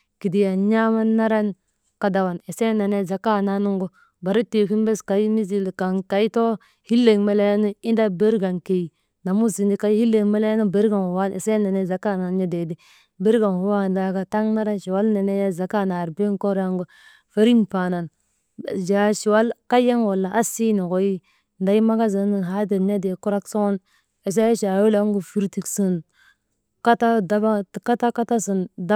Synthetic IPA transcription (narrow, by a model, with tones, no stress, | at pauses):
ki˨di˨ja˨ɲa˦ma˦nːa˦ɾa˦n | ka˦da˨wa˨ne˨se˦na˨ne˦˨za˨ka˦˨na˦nu˦ŋɡo˦ | ba˨ɾi˦te˨ki˦nbe˦ska˨i˦mi˦zi˦˨lka˨nka˨i˦to˦ | hi˦lːe˨ŋme˨˦le˦jnu˦i˦nda˦be˦ɾɡa˨nke˨i˨ | na˨mu˦si˨ndi˦ka˨˦hi˦lːe˨ŋme˦le˦jnu˦be˦ɾɡa˨nhwa˦ne˨se˦na˨ne˦za˨ka˦˨na˨n˦ji˦de˨di˦ | be˦ɾɡa˨nhu˨wa˦n˨da˨ɡa˨ta˦ŋna˦ɾa˦ʃi˨wa˦lne˨ne˦ja˦za˨ka˦na˨ɾbe˦ko˦ɾa˦ŋɡu˦ | fe˦ɾi˦npa˨na˨n˨ | d͡ʒa˨ʃi˨wa˦lka˦je˦ŋwo˨lːa˨ʔa˦si˦ni˨ko˨ji˦ | nda˨ji˦ma˦ɡa˦zi˨˦ni˨ɦa˨˦de˨mɲa˦de˨ku˦ɾa˦kso˦n | e˨s̬a˦ja˦ʃa˨wi˦la˦ŋɡu˨fi˦ɾti˨ksi˨n | ka˦ta˦da˦ba˦˨ka˦ta˦ka˦ta˦si˨nda˦